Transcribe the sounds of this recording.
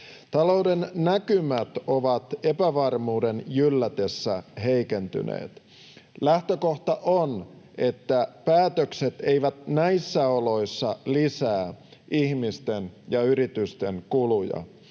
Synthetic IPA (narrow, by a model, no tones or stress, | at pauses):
t̪ɑlo̞ude̞nːækymæt̪oʋɑt̪e̞pæʋɑrmuːde̞njylːæt̪e̞sːæ̰ɦe̞jke̞nt̪y̰nḛːt̪ | læht̪øko̞ht̪ɑʔone̞t̪ːæpæːt̪økse̞t̪ejʋæt̪næjsːæolo̞jsːɑlisæːihmist̪e̞njɑyɾit̪yst̪e̞ŋkulujɑ̰